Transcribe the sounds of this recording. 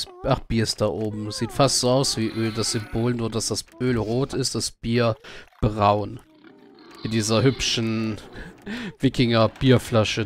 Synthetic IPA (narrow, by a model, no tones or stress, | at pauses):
sʔaχb̥iːɐsd̥aʔoːbm̩z̥iːtfastz̥oːaʊsv̥iːʔøːldasz̥ʏmboːlnuːɐdasd̥asʔøːlʁoːtɪstd̥asb̥iːɐb̥ʁaʊn | ɪndiːzɐhʏpʃn̩ | vɪkɪŋɐb̥iːɐflaʃə